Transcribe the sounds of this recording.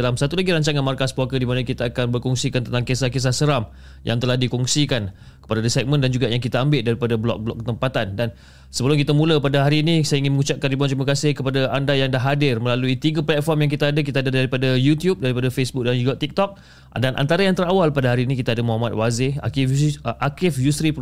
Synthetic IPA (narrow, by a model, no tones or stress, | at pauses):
alamsat̪ulaɡiɾaɲt͡ʃaŋanmarkaspɔkədimanəkit̪aakanbərkɔŋsikant̪ənt̪aŋkesahkes̬asəɾam | jʔa̰ŋt̪əlahdikɔŋsikan | kə̥padadəsat̚mə̃ndand͡ʒuɡaʔjaŋkit̪aambɪʔdaɾipadablɔ̰k̚blɔ̰kːət̪əmpat̪andan | səbəlʊmkit̪əmũləpadaɦaɾinisajaiŋɪnməŋut͡ʃap̚kandibuant̪ɾimakasɪhkəpadaʔandajaŋdaɦadɪrmə̃laluit̪iɡəplɛt̪̚fɔrmjaŋk̬it̪aadək̬it̪aadadaɾipadajut̪jup̚daɾipadafesbuk̚dand͡ʒuɡaʔt̪ik̚t̪ɔk̚ | danʔa̰nt̪aɾajaŋt̪əɾawalpadaɦaɾiːnikit̪aadəmɔɦamat̪̚wazɪha̰kɪfʔakɪfjusɾip